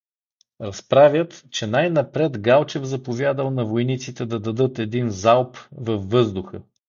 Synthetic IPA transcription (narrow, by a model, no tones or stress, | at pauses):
ɾɐspɾavʲjət̪t͡ʃɛnajnɐpɾɛt̪ɡalˠt͡ʃɛvzɐpovʲjad̪əlˠnɐvojnit̪sit̪ɛd̪ɐd̪ɐd̪ɤt̪ɛd̪inzalˠpvɐfːɤzd̪ʊxə